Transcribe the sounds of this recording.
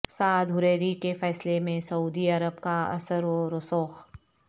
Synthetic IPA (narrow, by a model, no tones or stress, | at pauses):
saːd̪ɦʊɾeːɾikefɛːslemẽsɐuːd̪iɐɾəbkaɐ̰səɾoːɾosoːx